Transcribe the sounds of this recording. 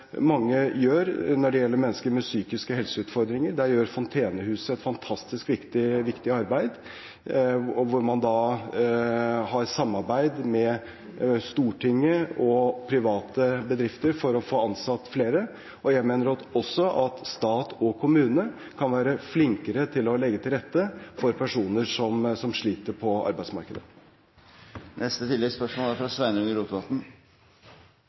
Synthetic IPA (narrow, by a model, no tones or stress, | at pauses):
mɑŋːəjøːɾnɔɖɛjɛlːəɾmɛnːəskəɾmɛsyːkɪskəhɛlsəʉːt̪fɔɾd̪ɾɪŋəɾɖæjøːɾfɔnt̪ʰeːnəhʉːsəɛt̪fɑnt̪ʰɑst̪ɪskʋɪkt̪ɪʋɪkt̪ɪɑɾbæɪd̪ | ɔʋʊɾmɑnd̪ɑː | hɑɾsɑmːɑɾbæɪd̪mɛ | st̪uːʈʰɪŋːəʔɔpʰɾɪʋɑːt̪ʰəbəd̪ɾɪft̪əɾfɔɾɔfoːɑnsɑt̪ːfleːɾə | ʔɔjæɡmeːnəɾɑt̪ɔsːɔʔɑt̪st̪ɑːt̪ʰɔkʰʊmʉːnə | kʰɑnʋæːɾəflɪŋkəɾət̪ʰɪlɔlɛɡːət̪ʰɪlɾɛt̪ːəfɔɾpʰæʂuːnəʂɔmsɔmʂɭiːt̪əɾpʰɔɑ̰ɾbæɪsmɑ̰ɾkəd̪ə̰ | nɛst̪ət̪ʰɪlːɛɡspœʂmɔːlæɾfɾɑsʋæɪnəʉŋəɪɾuːt̪ʋɑt̪n̩